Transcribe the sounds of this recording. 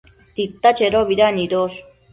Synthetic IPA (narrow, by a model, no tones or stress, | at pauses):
t̪it̪ːat͡ʃeɾoβiɾaniɾos